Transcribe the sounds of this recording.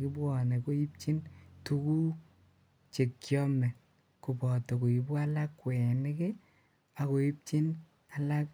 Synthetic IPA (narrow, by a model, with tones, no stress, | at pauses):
kɪ˦bɔ˨nɛ˨ko˦i˦p̚t͡ʃi˦ntu˦ku˦ | t͡ʃe˨kːjɔ˦mɛ˨ | ku˨pɔ˨tɔ˨ko˨i˨ba˦la˦kːwɛ˨nɪ˦ke˦ | a˨ko˨i˦p̚t͡ʃi˦n | a˨la˦k